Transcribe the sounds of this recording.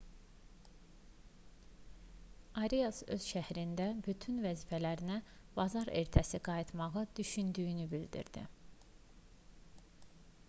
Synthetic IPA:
ɑɾijɑsø̰z̥ʃæhɾind̪æbyt̪ʰynvæziːfælæɾinæb̥ɑzɑɾḛɾt̪ʰæsiɡɑjit̪ʰmɑɣɯd̪̥yʃynd̪yjynybild̪ḭɾd̪ḭ

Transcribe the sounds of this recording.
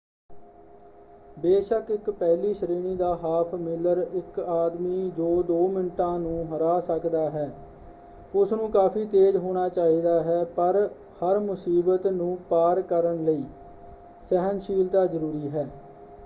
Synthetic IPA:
beːʃəkɪkpɛːliːsəɾeːniːd̪aːɦaːpʰmɪləɾɪkaːd̪miːd͡ʒoːd̪oːmɪnʈãːnũːɦəɾaːsəkd̪aːɦɛː | ʊsnũːkaːpʰiːt̪eːd͡ʒɦoːɽ̃aːt͡ʃaːɦiːd̪aːɦɛːpəɾ | həɾmʊsiːbət̪nũːpaːɾkəɾəɳləiː | sɛɦənʃiːlt̪aːzəɾuːɾiːɦɛː

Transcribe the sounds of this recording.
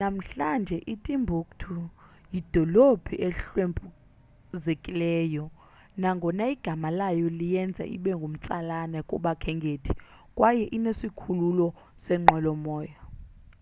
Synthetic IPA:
nam̩ɬand͡ʒʱɛʔitʼimbʱukʼtʰu | jid̥ʱɔlobʰʱiʔɛɬwempʼu | zekʼilɛːjɔ | naŋɡʱɔnaiɡ̥ʱamalajɔlijɛnd͡zʱa̰ʔḭɓɛŋɡʱum̩t͡sʼalanɛkʼɔɓakʰɛŋɡʱeːtʰi̥ | kʼwajɛʔinesikʰululɔ | sɛŋ͡ǃɛlɔmɔːja

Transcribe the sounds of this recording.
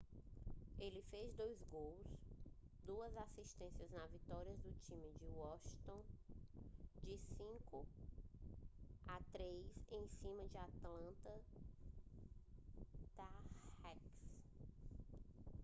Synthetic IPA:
elɪfezd̪ojzɡows | d̪uɐzasiʃt̪ẽsiɐznɐzvit̪ɔɾiɐd̪ʊt͡ʃĩmɪd͡ʒɪwɔʃt̪õ | d͡ʒɪsĩkʊ | at̪ɾejzẽj̃sĩmɐd͡ʒɪat̪lɐ̃t̪ɐ | t̪aɛks

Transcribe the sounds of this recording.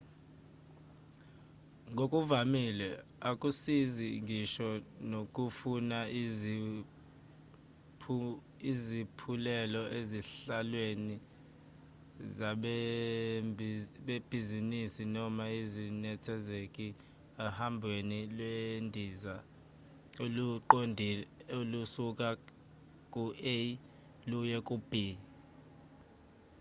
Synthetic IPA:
ŋʱokʼuvamilɛakʼusiziŋiʃɔnokʼufuna | izipʰulɛlɔʔeziɬalweni | za | ɓeb̥ʱizinisinɔmaizinɛtʰɛzekʼi | ahambʱwenilwendʱiza | oluǃondʱiolusukʼa | kʼuʔe | lujɛkʼub̥ʱiː

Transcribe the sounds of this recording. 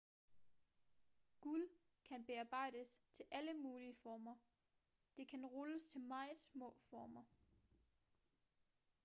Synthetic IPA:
ɡ̥ul | kʰænb̥e̝ɑ̈ːb̥ɑ̈ɪ̰d̥əst͡sʰe̝lʔæləmuːliəfɒːmɐ | d̥e̝kʰænʁɔləst͡sʰe̝lmɑ̈ɪðˠsmɔ̰̽ːfɒːmɐ

